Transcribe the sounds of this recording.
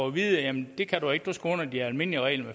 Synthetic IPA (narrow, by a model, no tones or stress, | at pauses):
ɒʋiːðˠəjæmnd̥e̝kʰæd̥ue̝ɡ̥̚d̥usɡ̥ɔn̰ɐd̥iæɐælme̝n̰liəʁɛ̰ɪlme